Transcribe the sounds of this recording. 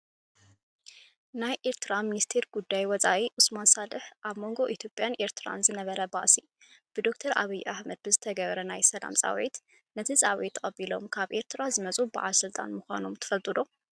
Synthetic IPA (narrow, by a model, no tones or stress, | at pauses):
najʔe̞ɾt̪ʰɨɾaminist̪ʰeɾɡ̥ud̪ːajwɔt͡sʼawiʔusmansalɨħʔaβmo̞ŋɡo̞ʔit̪ʰjo̞pʼːjanʔe̞ɾt̪ʰɨɾa̰nzɨnɐβɐɾɐba̰ʔsi | b̥ɨd̪o̞kt̪ʰɐɾʔa̰βɐjʔaħmɐd̪̚bɨzɨt̪ʰɐɡɐβɐɾɐnajsɐla̰msʼa̰wḛt̪ | nɐt̪ʰisʼawet̪ʰːɨqʼɐbilo̞̰mkʰaβʔe̞ɾt̪ʰɾazɨmɐt͡sʼubɨʕa̰lsɨlt̪ʼa̰nmɨxʷa̰nomt̪ʰɨ̥fɐlt̪ʼɨd̪o̞